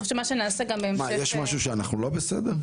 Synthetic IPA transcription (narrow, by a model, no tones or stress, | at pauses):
oʃemaʃenaːseɡambeemmajɛʃmaʃuʃeanaχnulo̞besḛd̪eʁ